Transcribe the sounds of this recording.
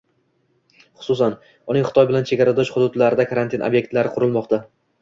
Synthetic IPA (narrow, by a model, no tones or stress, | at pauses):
χʊ̥sʊsan | ʊnɪŋχɪ̥t̪ʰɒjbɪlant͡ʃʰe̞ɡʲaɾad̪ɒʃχʊd̪ʊd̪laɾɪd̪akʰaɾant̪ʰinʔo̰bje̞k̚t̪laɾɪqʰʊɾɪlˠmɒqt̪ʰa